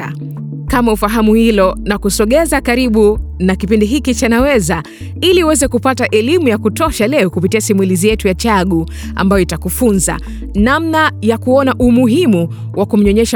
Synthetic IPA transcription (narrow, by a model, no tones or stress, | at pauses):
a̰ | kamaufaɦamuhilɔnakusɔɠɛzakaɾiɓu | nakipindiɦikit͡ʃanawɛza | iliuwɛzɛkupataʔɛlimujakutɔʃalɛɔkupitiasimwilizijɛtujat͡ʃaɠu | a̰mbajɔitakufunza̰ | namnajakuɔnaʔumuɦimu | wakum̩ɲɔɲɛʃa